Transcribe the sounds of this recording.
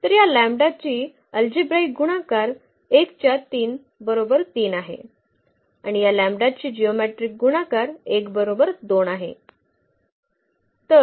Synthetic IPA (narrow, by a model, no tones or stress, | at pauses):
t̪əɾjalæmbɖat͡ɕiː | əld͡ʑibɾaiɡuɽ̃akaɾ | ekt͡ɕjat̪iːn | bəɾobəɾt̪iːnaɦḛ | aɽ̃ijalæ̃mɖat͡ɕiːd͡ʑiomeʈɾik̚ɡuɽ̃akaɾekbəɾobəɾd̪onaɦḛ | t̪ə